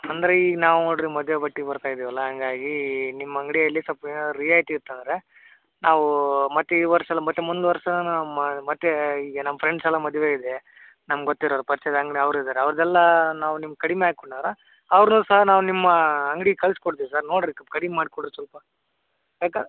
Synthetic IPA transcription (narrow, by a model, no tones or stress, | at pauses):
ɐnd̪ɐɾeiːɡɐnaːʋunoːɽɾimɐd̪ʋebɐʈːibɐɾt̪aːjid̪iːʋɐlːɐɦaŋɡaːɡinimːɐɐŋɡɽijɐlːisɐpːɐeːnad̪ɾijaːjiʈiːɾt̪ːɐnd̪ɐɾe̞ | naːʋumɐt̪ːeid̪ʋɐɾʂɐɛlːɐmɐt̪ːemund̪uʋɐɾʂɐnunɐmːɐmɐt̪ːeiːɡɐnɐmːɐpʰɾeɳɖsɛlːɐmɐd̪ʋeːid̪e | nɐmːɐɡɡot̪ːiɾoːɾɐpɐɾt͡ʃɐd̪ɐŋɡɽiɐʋɾid̪aːɾeɐʋɐɾɐd̪ɛlːɐnaːʋunimːɡ̚kɐɽimeaːɡikoɳaːɾɐ | ɐʋɐɾnuːsɐɦɐnaːʋunimːɐɐŋɡɽikɐɭskoɽt̪̬iːʋisaːɾnoːɽɾikːɐkɐɽimemaːɽikuɖɾsɐlpɐ | beːka